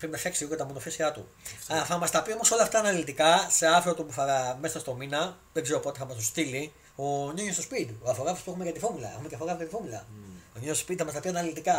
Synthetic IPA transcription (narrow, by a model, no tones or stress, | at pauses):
pɾinɐfɐksiokɐt̪ɐmonofisiɐt̪ṵ | θɐmɐst̪ɐpio̞mo̞so̞lɐft̪ɐːnɐlit̪ikɐse̞ɐfɾot̪opuθɐmesɐst̪o̞minɐ | ðeɡzeɾo̞po̞t̪eθɐmɐst̪ost̪ili | oɲoɲesto̞spit̪ioɐfoɣɐfispue̞xumekɐt̪ifumulɐexumeceɐfoɣɐfiɐt̪ifumulɐ̰oɲojstospit̪iθɐmɐst̪ɐpiɐnɐlit̪ikɐ